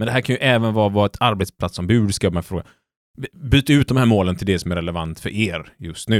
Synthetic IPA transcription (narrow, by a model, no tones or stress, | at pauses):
mɛnd̪ɛɦæːɾkʰanjɵʔɛːvənvɑːvɑːɛt̪ʰaɾbet̪splat̪sːɔmbʉ̟ːd̪skɑːvmɛfɾoːɡa̰ | byːt̪aʉ̟ːt̪̚d̪ɔmhæːɾmoːlənt̪ʰɪld̪ɛsɔmæɾɛlɛva̰nt̪fœ̰ɾʔeːɾjɵst̪nʉ̟ː